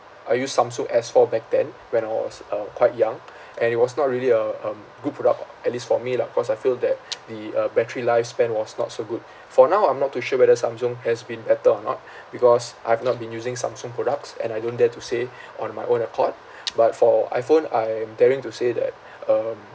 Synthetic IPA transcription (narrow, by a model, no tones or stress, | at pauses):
ʔajjusːãmsɔ̃ŋʔɛsfɔbɛk̚tɛ̃n | wɛ̃naɪwɔ̰sʌ̃kwaɪt̚jãŋ | ʔɛ̃nit̚wɔsnɔt̚ɹiəliəʌ̃m | ɡud̚pɹodak̚ | ɛt̚listfɔmilaikɔsajfild̪ɛt̚dəʌbɛtəɹilaɪfspɛ̃nwɔsnɔ̰tsoɡud̚ | fɔnawãjmnɔtːuʃɛwɛdəsãmsɔ̃ŋhɛsbĩnbɛtəɔnɔ̰t̚ | bikɔsʔajhɛvnɔt̚bĩnjuzɪ̃ŋsã̰msɔ̃ŋpʰɹodak̚tsɛ̰̃najdõndɛtuse | ɔ̃nmajʔõnəkʰɔt̚ | bat̚fɔa̰ɪfõnajɛ̃mdɛɹĩŋtusedɛ̰t̚ | ʌm